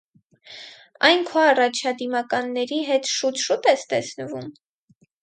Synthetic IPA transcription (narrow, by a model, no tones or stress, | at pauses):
ɑjnkʰɔɑrɑt͡ʃʰɑd̪imɑkɑnːɛɾiɦɛt̪ʃut̪ʃut̪ɛst̪ɛsnəvum